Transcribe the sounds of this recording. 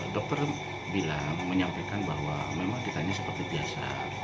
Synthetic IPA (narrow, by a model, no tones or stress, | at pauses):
dɔk̚t̪ɔr | bilaŋməɲampajkanbaɦwamemaŋdit̪aɲasəpərt̪ibiasa̰